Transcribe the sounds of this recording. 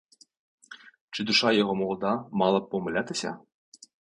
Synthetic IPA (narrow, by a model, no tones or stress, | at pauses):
t͡ʃɘd̪uʃɑjeʁomolˠd̪ɑmɑlˠɤ̆pomɘ̆lʲæt̪ɘ̆sʲɑ̰